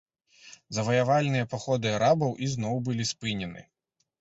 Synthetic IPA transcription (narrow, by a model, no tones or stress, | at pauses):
zɐvɐjavalʲnɨjɐpaxɔd̪ɨaɾabɐwʔiznɔwbɨlʲispɨnʲɛnɨ̰